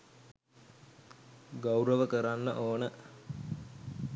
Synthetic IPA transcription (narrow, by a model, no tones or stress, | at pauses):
ɡawɾəʋəkəɾanːəʔoːnə